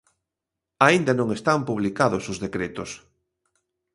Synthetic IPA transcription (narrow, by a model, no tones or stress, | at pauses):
aind̪anõŋest̪ampuβlikaðʊsʊzðekɾet̪ʊs